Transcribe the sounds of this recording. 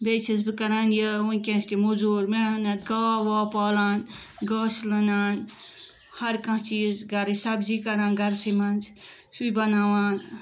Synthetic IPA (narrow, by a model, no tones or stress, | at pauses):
bet͡ʃʰisbɨkɐɾaːnjəunʲkʲẽːst̪imuzuɾmeɦɐnɐt̪ɡaʋoːpɔːlaːn | ɡɔːslɐnaːn | hɐɾkɐ̃ɦt͡ʃiːzɡɐɾɨsɐbd͡ʒikɐɾaːnɡɐɾsimɐnd͡ʒ | sujbɐnawaːn